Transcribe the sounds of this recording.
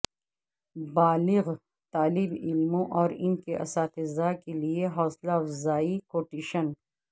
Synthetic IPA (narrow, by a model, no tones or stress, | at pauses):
baːlɪɣ | t̪aːlɪbɪlmõʔɔːɾɪnkeʔɐ̰saːt̪ezaːkelieɦɔːslafzaːikoːʈiʃən